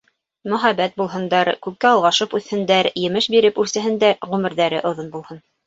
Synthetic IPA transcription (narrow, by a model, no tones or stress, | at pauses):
mɵ̆χæbæt̪̚bulˠɦɤ̆nd̪ɑɾkʉp̚kːæɑlˠʁɑʃɤpʉθhɘ̆nd̪æɾjɘ̆mɘʃbiɾɘpʉɾsɘ̆ɦɘ̆nd̪æɾʁʉmɘ̆ɾðæɾɘʔŏðonbulˠhɤn